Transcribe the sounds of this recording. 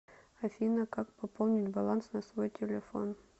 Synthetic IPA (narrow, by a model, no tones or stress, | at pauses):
ɐfʲinəkak̚pɐpolˠnʲɪtʲbɐlˠansnɐsvojtʲɪlʲɪfo̞̰n